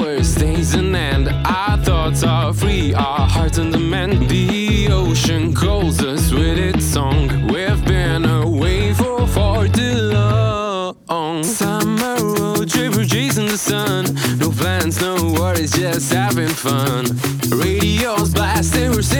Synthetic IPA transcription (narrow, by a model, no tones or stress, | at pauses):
ə˞sdeɪzɨ̃nɨ̃ndʔaɪθɔtʌ | fɹi | əhɑɹtn̩dəmɛ̃nði | oʊʃɨ̃nkʰoʊlˠzʌswɪðɪtsɔ̃ŋ | wivbɪ̃nəweɪfə˞fɔɹtɨlʌ | ɔŋsʌməoʊtʰɹ̥evə˞d͡ʒeɪzɨ̃nðəsʌ̃nːoʊpʰl̥æ̃nznoʊwʌɾɨzd͡ʒʌshævɪ̃nfʌ̃n | ɹeɪɾioʊzblæsɪ̃wə˞s